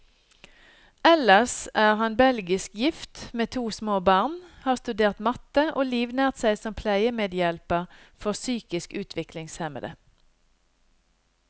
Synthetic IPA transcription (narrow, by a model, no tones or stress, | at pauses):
ɛləsæːʁhɑnbɛlɡɪskjɪft̪meːt̪ʰuːsmoːbɑːʁnhɑːʁst̪ʉd̪eːʁt̪mɑt̪əʔoːliːʋnæːʁt̪sæɪsɔmpʰlæɪəmeːd̪jɛlpəʁfɔʁsyːkɪskʉːt̪ʰʋɪklɪŋshɛmə̰d̪ə̰